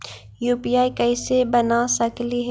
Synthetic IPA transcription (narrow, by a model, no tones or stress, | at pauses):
juːpijaːikɐɪsebɐnasɐkliɦɛ